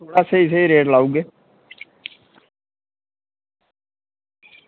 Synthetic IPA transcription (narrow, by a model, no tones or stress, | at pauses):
oːɽaːseːɪs̬eːiɾeːʈlaːuːɡeː